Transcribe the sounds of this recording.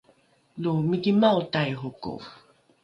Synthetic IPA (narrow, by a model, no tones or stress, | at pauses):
lomikimaotajɦoko̰